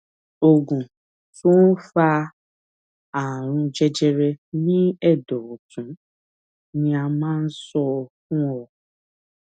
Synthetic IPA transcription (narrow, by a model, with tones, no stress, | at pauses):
o˨ɡũ˨ | to˦n̩˦fa˧ | a˨ɾ̃ũ˧d͡ʒɛ˧d͡ʒɛ˧ɾɛ˧nĩ˦ɛ˦˨dɔ˨o˨tũ˨˦ | nĩ˧a˧mãː˦n̩˦sɔ˧fũ˦ɔ˧